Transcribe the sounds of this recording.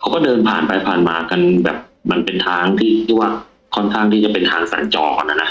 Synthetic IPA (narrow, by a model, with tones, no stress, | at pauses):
kʰa˦˥kɔː˥˩dɤː˧npʰa̰ː˨˩npa˧jpʰaː˨˩nmaː˧ka˧nbɛː˨˩p̚ma˧npe˧nt̪ʰaː˧ŋt̪ʰiː˥˩kʰiː˥˩waː˥˩ | kʰɔ˥˩nkʰaː˥˩ŋt̪ʰiː˥˩t͡ɕa˨˩pe˧nt̪ʰaː˧˥ŋsa̰ː˩˦nt͡ɕɔː˧knːa˦˥na˦˥